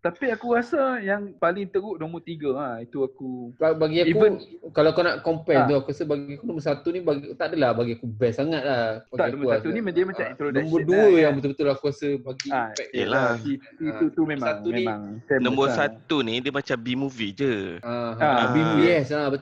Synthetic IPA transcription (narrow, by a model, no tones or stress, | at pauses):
t̪apiakuɣasajaŋpalɪŋt̪əɡuʔnõmbət̪iɡəait̪uakubabaɡiaikuəkalaakanaʔkɔmpɛnt̪ɔkuasəbaɡiakunõmbəsat̪unibaɡt̪aʔdəlahbaɡiakubɛsaŋat̪̚lahbaɡ̪aianõmbəusast̪unimə̃damaamĩnt̪ɾonɔ̃mbəduəjaŋbət̪ubət̪ulahkuasəbaɡipɛʔ̚əlai | iut̪umemaat̪umĩaŋtɛnɔ̃mbəsat̪unidəmat͡ʃambimuvid͡ʒəaaabimuiɛsabə